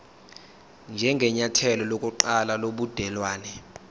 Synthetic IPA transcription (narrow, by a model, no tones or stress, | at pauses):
nd͡ʒʱɛŋɡʱɛɲatʰɛlɔlokʼuǃalaloɓud̥ʱɛlwaːnɛ